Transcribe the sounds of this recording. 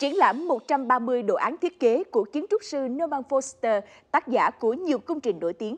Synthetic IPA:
t͡ɕi˧˩ənla̰ː˧˩mːo˨˩t̚t͡ɕa˧mɓaː˧mɨ˧əjɗo̰˧˨ʔaː˨˦nt̪ʰi˦˥t̚ke˨˦ku˧˩ət͡ɕi˨˦nt͡ɕʊ˦˥k͡p̚sɨ˧nə˧maː˧nfo˧st̪əː˧ | t̪aː˦˥t̚za̰ː˧˩ku˧˩əɲi˨˩əwkʊ˧wŋ͡mt͡ɕï˨˩ŋ̟no̰˧˩jt̪i˨˦ən

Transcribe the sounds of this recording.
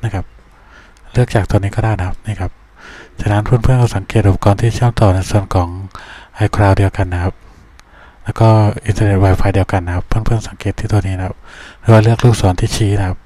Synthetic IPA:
na˦˥˩kʰa˦˥p̚ | lɯ˥˩ək̚t͡ɕaː˨˩k̚t̪niː˦˥kɔː˥˩daː˥˩jna˧˥kʰa˥p̚niː˥˩kʰa˦˥p̚ | t͡ɕʰaː˧˩na˦˥npʰɯː˥˩npʰɯ˥ənkʰɔ˥˩sa˩˦ŋkeː˨˩t̪ʔu˧pḁ˧kɔː˧nt̪ʰiː˥˩t͡ɕʰɯ˥˩əmt̪ɔː˨˩na˧jsu˨˩ənkʰɔː˩˦ŋʔa˧jkʰɾaː˧wdi˧əwka˧nːa˦˥kʰa˦˥p̚ | lɛː˦˥wkɔː˥˩ʔi˧nt̪aː˧ne˨˩t̪̚waː˧jfʰaː˧jdi˧əwka˧nːa˦˥kʰa˦˥pʰːɯ˥˩npʰɯ˥˩əŋsa˨˩˦ŋkeː˨˩t̪ʰːiː˥˩t̪u˧niː˦˥a˦kʰa˦˥p̚ɾɯː˩˦waː˥˩lɯ˥˩ək̚luː˥˩k̚sɔː˩˦nt̪ʰiː˥˩t͡ɕʰiː˦˥n˦˥kʰa˦˥p̚

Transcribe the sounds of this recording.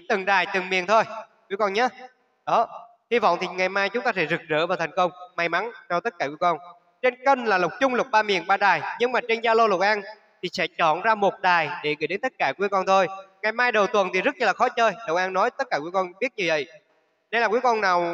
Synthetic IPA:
t̪ɨ˨˩ŋɗaː˨˩jt̪ɨ˨˩ŋmḭ˨˩ənt̪ʰo˧j | kwi˨˦əkɔ˧nɲaː˨˦ | ɗɔ˨˦ | hi˧vɔ̰˧˨wŋ͡mt̪ʰi˨˩ŋa˨˩jmaː˧jt͡ɕʊ˨˦ŋ͡mt̪aː˧sɛ̰˧˥zɨ˨˩k̚zə̰ː˧˩vaː˨˩t̪ʰa˨˩jŋ̟kə˧wŋ͡mma˧˩jma˨˦nt͡ɕɔ˧t̪ə˦˥t̚kaː˧˩kwi˨˦ə˦kɔ˧n | t͡ɕe˧nkə˧nlaː˨˩lə˨˩wk͡p̚t͡ɕʊ˧ŋ͡mlʊ˨˩k͡p̚ɓaː˧mḭ˨˩ənɓaː˧ɗaː˨˩jɲɨ˧ŋmaː˨˩t͡ɕe˧nzaː˧lo˧lʊ˨˩k̚ʔaː˧n | t̪ʰi˨˩sɛ̰˧˥t͡ɕɔ˧˩˨nzaː˧mo˨˩t̚ɗaː˨˩jɗe˧˩ɣə̰˧˥˨jɗe˨˦nt̪ə˦˥t̚kaː˧˩kwi˨˦əkɔ˧nt̪ʰo˧jŋa˨˩jmaː˧jɗə˨˩wt̪wə˨˩nt̪ʰi˨˩zə˦˥t̚ɲə˧˩laː˨˩xɔ˨˦t͡ɕəː˧jɗə˨˩wʔaː˧nːɔ˨˦jt̪ə˦˥t̚kaː˧˩kwə˦kɔ˧nɓi˦˥ət̚ɲɨ˧və̰˧˨j | ne˧jlaː˨˩kwi˨˦əkɔ˧nnaː˨˩w

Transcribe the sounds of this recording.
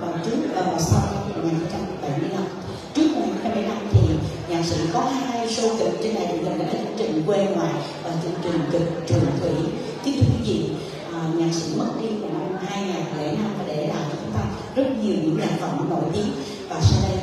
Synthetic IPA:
kɔ˨˩nt͡ɕɨ˨˦əkʔəː˨˩vɔ˨˩sa˧wna˧m˨m˨˩k̚ŋaː˨˩nxʰi˧ŋ͡mt͡ɕa˧m˨ɓa˧˩jmɨ˧əjla˧m | t͡ɕɨ˦˥ək̚mo˨˩k̚ŋːaː˧a˧mɨ˧˩jla˧mt̪ʰi˨˩ɲaː˨˩k̚sḭ˧˥kɔ˨˦haː˧jmaː˧jso˧ki˨˩k̚t͡ɕe˧nɗa̰ː˧˨jt͡ɕʊ̰˧˩k̪ḭ˨ɗa˨˧˦ə˨˧˦t͡ɕɨ˧ŋt͡ɕï˨˩ŋ̟kwe˧ŋwaː˨˩j | vaː˨˩t͡ɕɨ˧əŋt͡ɕï˨˩ŋ̟kɨ˨˩k̚t͡ɕwɨ̰˨˩əŋt̪ʰwḭ˧˩˥ | t̪i˦˥t̪ʰzḭ˧˩˨ | ʔɲaː˨˩k̚sḭ˧˥mə˦˥t̚ɗ̪i˧əku˨˩na˧haː˧jŋaː˨˩k̚lḛ˧˩na˧mfaː˧˩ɗe˧˩laː˨˩t͡ɕɔ˧t͡ɕʊ˨˦ŋ͡mt̪ʰa˧ | zə˦˥t̚ɲi˨˩əɲɨ̰˧˥ŋla̰ː˧˩fə̰˧˩wŋ͡mnːo̰˧˩˨jt̪i˨˦əm | vaː˨˩sa˧j

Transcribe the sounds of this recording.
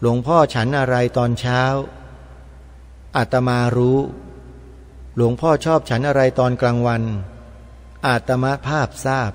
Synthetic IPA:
lu˩˦əŋpʰɔː˥˩t͡ɕʰa˦˥nʔa˧ɾa˧jt̪ɔː˧nt͡ɕʰaː˦˥w | ʔa˨˩t̪ːa˧maː˧ɾuː˦˥ | lu˩˦əŋpʰɔː˥˩t͡ɕʰɔː˥˩p̚t͡ɕʰa˦˥nʔa˧ɾa˧jt̪ɔː˧nklaː˧ŋwa˧n | ʔa˨˩t̪ːa˧ma˦˥pʰaː˥˩p̚saː˥˩p̚

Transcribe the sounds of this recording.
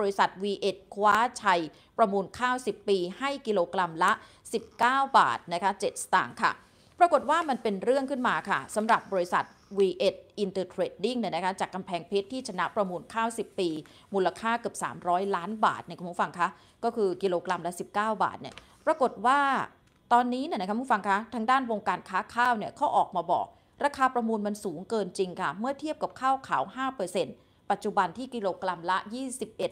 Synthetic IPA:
bɔː˧ɾi˦˥sa˨˩t̪̚wiː˧ʔe˨˩t̪̚kʰwaː˦˥t͡ɕʰa˧j | pɾa˧muː˧nkʰaː˥˩wsi˨˩pːiː˧ha˥˩jki˧loː˧kɾa˧mla˦˥ʔ | si˨˩p̚kaː˥˩wba̰ː˨˩t̪̚na˦˥kʰa˦˥t͡ɕe˨˩t̪̚sḁ˧t̪a̰ː˨˩ŋkʰa̰˥˩ | pɾa˧ko˨˩t̪̚waː˥˩ma˧npe˧nɾɯ˥˩əŋkʰɯ˥˩nmaː˧kʰa˥˩sa˩˦mɾa˨˩p̚bɔː˧ɾi˦˥sa̰˨˩t̪̚wiː˧ʔe˨˩t̪̚ʔi˧nt̪ɤː˧t̪ʰɾeː˨˦˩t̪̚di˥˩ŋniː˧˩jna˦˥kʰa˦˥t͡ɕaː˨˩kːa˧mpʰɛː˧ŋpʰe˦˥t̪ʰːiː˥˩t͡ɕʰa˧na˦˥ʔpɾa˧muː˧nkʰaː˥˩wsi˨˩pːiː˧ | mu˧la˧kʰaː˥˩kɯ˨˩əp̚sa̰ː˩˦mɾɔː˦˥jlaː˦˥nba̰ː˨˩t̪̚ni˥˩kːʰfa˧ŋkʰa˦˥ | kɔː˥˩kʰɯː˧ki˧loː˧kɾa˧mla˦˥si˨˩p̚kaː˥˩wba̰ː˨˩t̪̚ni˥˩ | pɾa˧ko˨˩t̪̚waː˥˩ | t̪ɔː˧nːiː˦˥ni˥˩na˦kʰa˦˥˧fa˧ŋkʰa˦˥t̪ʰa˦˧ŋdaː˥˩nwo˧ŋkaː˧nkʰaː˦˥kʰaː˥˩wni˥˩ɐkʰɔ˦˥˩ʔɔː˨˩k̚maː˧bɔ̰ː˨˩k̚ | ɾa˧kʰaː˧pɾa˧muː˧nma˧nsuː˩˦ŋkɤː˧nt͡ɕi˧ŋkʰa˥˩mɯ˥˩ɐt̪ʰi˦˥˩əp̚ka˨˩p̚kʰaː˥˩wkʰaː˩˦whaː˥˩pɤː˧se˧n | pa˨˩t̪̚t͡ɕu˨˩ba˧nt̪ʰiː˥˩ki˧loː˧kɾa˧mla˦˥jiː˥˩si˨˩p̚ʔe˨˩t̪̚

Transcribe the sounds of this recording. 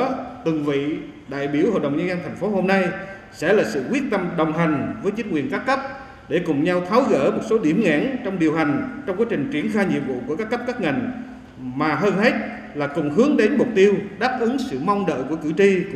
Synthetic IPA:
t̪wɨ˨˩ŋvḭ˧˨ | ɗa̰ː˧˨jɓi˧˩əwho̰˧˨ɗə˨˩wŋ͡mɲzə˧nzə˧nt̪ʰa˨˩jŋ̟fo˨˦ho˧mna˧j | sɛ̰˧˥laː˨˩sɨ̰˧˨kwi˦˥ət̚t̪ə˧mɗə˨˩wŋ͡mɦa˨˩jŋ̟vəː˨˦jt͡ɕï˦ŋ̟ŋwḭ˨˩ənkaː˦˥kːə˦˥p̚ | ɗe˧˩kʊ˨˩ŋ͡mɲa˧wt̪ʰaː˨˦wɣə̰ː˧˩mo˨˩t̚so˨˦ɗi˧˩əmŋa̰ː˧˥nt͡ɕɔ˧wŋ͡mɗi˨˩əwɦa˨˩jŋ̟t͡ɕɔ˧ŋ͡mkwaː˨˦jt͡ɕï˨˩ŋ̟t͡ɕi˧˩ənxaː˧jɲḭ˨əpvṵ˧˨kəkaː˦˥kːp̚ka˦˥p̚ŋa˨˩jŋ̟ | maː˨˩ɦəː˧nhe˦˥t̚ | laː˨˩kʊ˨˩ŋ͡mɦɨ˨˦əŋɗe˨˦nmʊ˨˩k͡p̚t̪i˧əwɗaː˦˥p̚ʔɨ˨˦ŋsɨ̰˧˨mɔ˧wŋ͡mɗə̰ː˧˨ku˧˩əkɨ˧˩t͡ɕi˧

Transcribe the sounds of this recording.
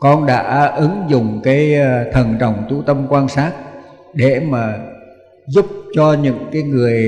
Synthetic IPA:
kɔ˧nɗa̰ː˧˥ʔɨ˨˦ŋzʊ˨˩ŋ͡mkaː˨˦jt̪ʰə˨˩nt͡ɕə̰˨˩wŋ͡mt̪ṵ˧˩t̪ə˧mkwaː˧nsaː˦˥t̚ | ɗe˧˩maː˨˩ | zʊ˦˥p̚t͡ɕɔ˧ɲɨ̰˧˥ŋkaː˨˦jŋɨ˨˩əj

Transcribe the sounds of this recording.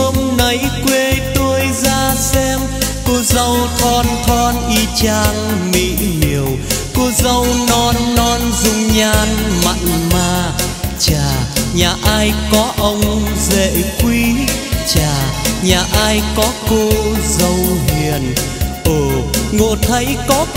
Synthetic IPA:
ə˧mnə˨˦jkwe˧t̪o˧əjzaː˧sɛ˧m | ko˧zə˧wt̪ʰɔ˧nt̪ʰɔ˧nʔi˧t͡ɕaː˧ŋmḭ˧˨ɲi˨˩əw | ko˧zə˧wnɔ˧nːɔ˧nzʊ˧ŋ͡mɲaː˧nma̰˧˨jŋmaː˧t͡ɕaː˨˩ɲaː˨˩ʔaː˧jkɔ˨˦ʔə˧wŋ͡mzḛ˧˨kwi˧t͡ɕaː˨˩ɲaː˨˩ʔaː˧jkɔ˨˦ko˧zə˧˩wɦi˨˩ən | ʔo˨˩ŋo̰˧˨t̪ʰə˨˦jkɔ˨˦

